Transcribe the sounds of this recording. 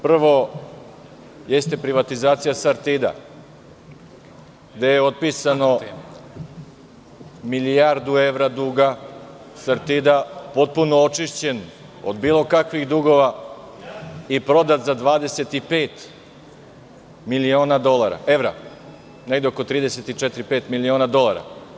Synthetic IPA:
pr̩ʋo̞ | je̞st̪e̞pɾiʋat̪izaːt̪sijasaɾt̪id̪a̰ | ɡd̪ejeot̪̚pisano̞ | milijaɾd̪ue̞ʋɾad̪uɡa | saɾt̪id̪apo̞t̪̚punoot͡ʃiʃt͡ɕe̞n | o̰d̪biːlo̞kakʋiɣd̪uɡo̞ʋa | ipɾo̞d̪at̪zad̪ʋaːd̪e̞se̞t̪ipeːt̪ | milio̞ːnad̪o̞lˠaɾa̰ʔe̞ʋɾa̰ | ne̞ɡd̪eo̞ko̞t̪ɾiːd̪e̞set̪it͡ʃɛt̪ɾipeːt̪milio̞nad̪o̞lˠaɾa̰

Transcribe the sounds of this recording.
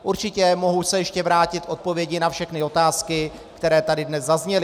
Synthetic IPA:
ʔuɾt͡ʃɪcɛmo̞ɦusɛjɛʃcɛvɾaːcɪt̪ʔo̞t̪̚po̞vjɛɟɪnafʃɛxnɪo̞t̪aːskɪ | kt̪ɛɾɛːt̪adɪdnɛzzazɲɛlɪ

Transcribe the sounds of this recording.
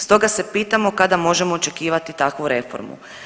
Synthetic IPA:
st̪o̞ɡase̞piːt̪amo̞kad̪amo̞ʒe̞mo̞ːt͡ʃe̞kiːʋat̪it̪akʋuɾe̞fo̞̰ɾmṵ

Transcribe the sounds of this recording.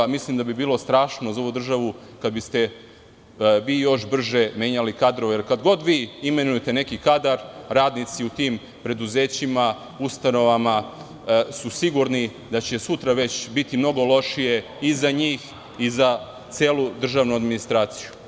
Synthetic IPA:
mislimd̪abibiːlo̞st̪ɾaːʃno̞zao̞ʋud̪r̩ʒaʋukad̪bist̪e̞ | ʋiːjo̞ʃbr̩ʒe̞me̞ːɲalikad̪ɾo̞ʋejeɾkad̪ɡo̞d̪ʋiːime̞nuje̞t̪e̞ne̞kikad̪aɾɾaːd̪nit̪siut̪iːm | pɾe̞d̪uze̞ːt͡ɕima | ust̪ano̞ʋama | susiɡuɾni | d̪at͡ɕe̞sut̪ɾaʋe̞t͡ɕbit̪imno̞ɡo̞lo̞ʃije̞ | izaɲiːx | iza | t̪seːlud̪r̩ʒaːʋnuad̪minist̪ɾaːt̪si̥ju

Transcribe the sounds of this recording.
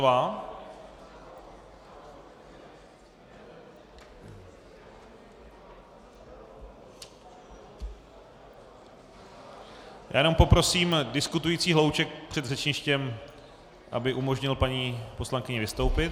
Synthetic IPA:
va | ja̰ːjɛno̞mpo̞pɾo̞siːmdɪskut̪ujit͡siːɦlo̞wt͡ʃɛk̚pr̝̥ɛd̪rɛt͡ʃɲɪʃcɛm | ʔabɪʔumo̞ʒɲɪlpaɲiːpo̞slaŋkɪɲɛvɪst̪o̞wpɪt

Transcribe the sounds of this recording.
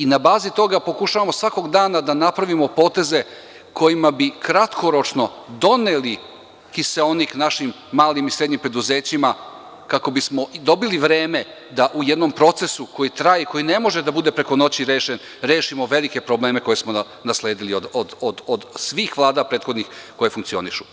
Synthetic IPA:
inabaːzit̪o̞ɡapo̞kuʃaʋamo̞sʋako̞ɡd̪aːnad̪anapɾaʋimo̞po̞ːt̪e̞ze̞ | ko̞jimabikɾat̪ko̞ɾo̞t͡ʃno̞d̪o̞ne̞li | xiseo̞niknaʃimːaːlimisɾe̞d̪ɲimpɾe̞d̪uze̞ːt͡ɕima | kako̞bismo̞d̪o̞biliʋɾeːme̞ | d̪aʔuje̞d̪no̞mpɾo̞t̪se̞suko̞jit̪ɾajeko̞jine̞mo̞ʒed̪abud̪e̞pɾe̞ko̞no̞t͡ɕiɾeːʃen | ɾe̞ːʃimo̞ʋe̞like̞pɾo̞blˠe̞ːme̞koje̞smo | nasle̞ːd̪iliod̪od̪od̪od̪sʋiːxʋlˠaːd̪apɾe̞ːt̪xod̪nixko̞je̞fuŋkt̪sio̞̰niʃu

